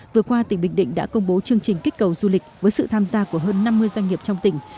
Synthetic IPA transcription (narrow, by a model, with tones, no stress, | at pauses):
vɨ˨˩əkwaː˧t̪ï˧˩ŋ̟ɓï˧˩ŋ̟ɗḭ˧˨ŋ̟ɗa̰ː˧˥kə˧wŋ͡mɓo˨˦t͡ɕɨ˧əŋt͡ɕï˨˩ŋ̟ki˦˥k̟̚kə˨˩wzu˧lï˨˩k̟̚vəː˨˦jsɨ̰˧˨t̪ʰaː˧mzaː˧ku˧˩əɦəː˧nːa˧mːɨ˧əjzwa˧jŋ̟ŋi˨˩əp̚t͡ɕɔ˧wŋ͡mt̪ï˧˩ŋ̟